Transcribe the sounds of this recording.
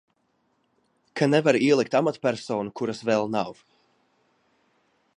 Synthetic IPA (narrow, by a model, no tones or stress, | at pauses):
kʰanɛvaɾiɛlˠik̚t̪amat̪pʲɛɾsɔːnukuɾasvɛlˠnav